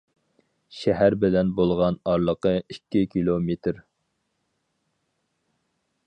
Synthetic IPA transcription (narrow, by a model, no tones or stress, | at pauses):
ʃɛɦæɾbɪlɛnbolˠʁɑnɑɾlˠəqəikʲːɪkʲʰilˠomet̪ʰɾ